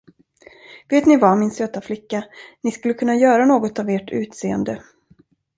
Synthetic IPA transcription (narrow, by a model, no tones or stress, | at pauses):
veːt̪nɪvamɪnsøːt̪aflɪkːanɪskɵlːəkʰɵnːajœːɾanoːɡɔt̪aveːʈʰʉ̟ːt̪seːə̰nd̪ə